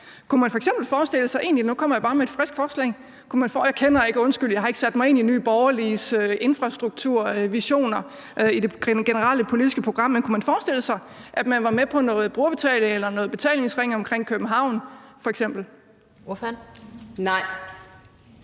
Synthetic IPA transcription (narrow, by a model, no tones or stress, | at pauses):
kʰumænfɒ̽eɡ̥sem̰b̥l̩fɒːsd̥e̝ləsɑ̈ɪe̝̰ːnlinukʰɒ̽m̰ɐjɑ̈b̥ɑ̈ːmeed̥fʁɛsɡ̥fɒːslɛ̰ɪ | kʰumænfɒjɑ̈ɪkʰenɐje̝ɡ̥əɔ̽nsɡ̥yl̰jɑhe̝ɡ̥əsæd̥mɑ̈ɪe̝niny̰ːb̥ɒʊɐlisøʔe̝nfʁɑ̈sd̥ʁuɡ̥̚t͡sʰuɐ̰ʋiɕo̝̰ːnɐ | ʔid̥e̝̥ɡ̥enəʁɑl̰əpʰo̝lid̥isɡ̥əpʰʁo̝ɡ̥ʁɑ̈m̰ːenkʰumænfɒːsd̥e̝l̰əsɑ̈ɪʔæd̥mænʋɑ̈mepʰɒ̽nɔ̽ːð̩ˠb̥ʁuɐb̥e̝t͡sʰɛ̰ːleŋelɐnɔ̽ːð̞̩̥ˠe̝t͡sʰɛ̰ːlne̝ŋsʁeŋ̰ɒ̽mkʰʁeŋ̰kʰøb̥n̩ɦɑ̈ʊ̰nfɒ̽eɡ̥sem̰b̥l̩ | fnnɑɪ̰